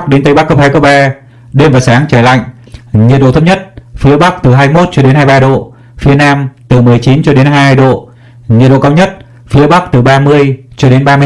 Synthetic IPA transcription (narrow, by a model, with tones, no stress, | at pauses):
k̚ɗe˨˦nt̪ə˨˧˩jɓa˦˥kːə˦˥phaː˧jko˧ɓaː˧ | ɗe˧mvaː˨˩wsaː˨˦ŋt͡ɕaː˧˩jla̰˧˨jŋ | ɲi˨˩t̚ɗo̰˧˨t̪ʰə˧˥p̚ɲə˦˥t̚fi˨˦əɓa˦˥k̚t̪ɨ˨˩ɦaː˧jmo˦˥t̚t͡ɕɔ˧ɗe˨˦nhaː˧jɓaː˧ɗo̰˧˨ | fi˨˦ənaː˧mt̪ɨ˨˩mɨ˨˩əjt͡ɕi˨˦nt͡ɕɔ˧ɗe˨˦nɦaː˧jɗo̰˧˨ | ɲi˨˩t̚ɗo̰˧˨˧kaː˧wɲə˦˥t̚ | fi˨˦əɓa˦˥k̚t̪ɨ˨˩ɓaː˧mɨ˧əjt͡ɕɔ˧ɗe˨˦nɓaː˧m˧